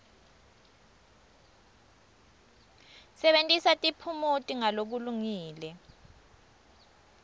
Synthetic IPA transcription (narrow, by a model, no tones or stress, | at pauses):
sɛɓentʼisatʼipʰumutʼiŋalok̬uluŋiːlɛ